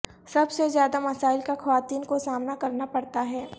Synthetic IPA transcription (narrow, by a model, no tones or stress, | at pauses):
sɐbsezjaːd̪amɐsaːɪlkaxɐʋaːt̪iːnkosaːmnakɐɾnapɐɽt̪aɦɛː